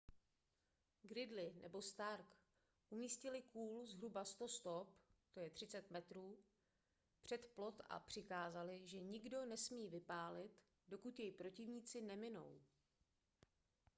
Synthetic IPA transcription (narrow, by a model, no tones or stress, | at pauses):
ɡɾɪdlɪnʔɛ̰bo̞st̪aɾk | ʔumiːscɪlɪkuːlzɦɾubast̪o̞st̪o̞pt̪o̞jɛt̪r̝̥ɪt͡sɛt̪mɛt̪ɾuː | pr̝̥ɛt̪plo̞t̪a̰pr̝̥ɪkaːzalɪʒɛɲɪɡdo̞nɛsmiːvɪpaːlɪt̪ | do̞kut̪jɛjpɾo̞cɪvɲiːt͡sɪnɛmɪno̞̰w